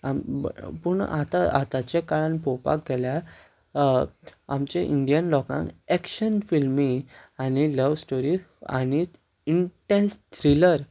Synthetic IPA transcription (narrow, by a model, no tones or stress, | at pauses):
ampuɳat̪aʔat̪at͡ɕekaɭanpɔpa̰k̚ɡʱɛlja | amt͡ɕẽʔiɳɖijənlɔkã̰ŋɛkɕənfilmiŋaniləʋsʈoɾia̰ñi | iɳʈẽnst̪ʰɾiləɾ